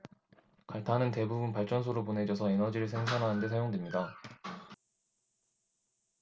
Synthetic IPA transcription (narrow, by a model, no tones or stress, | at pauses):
kaɭtʰanɯnte̞bubunpaɭt͡ɕ͈ʌns̬ʰoɾopone̞d͡ʑʌsʰʌenʌd͡ʑiɾɯɭsʰeŋsʰanɦaɦɯnde̞s̬ʰajoŋdwemɲida